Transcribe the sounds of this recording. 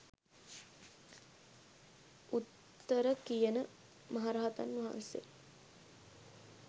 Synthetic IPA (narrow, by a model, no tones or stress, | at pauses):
ut̪ː | əɾəkijənə | maɦaɾaɦat̪anːɐɦa̰nsḛ